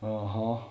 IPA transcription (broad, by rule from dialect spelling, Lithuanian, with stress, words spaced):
ɐˈɣɐ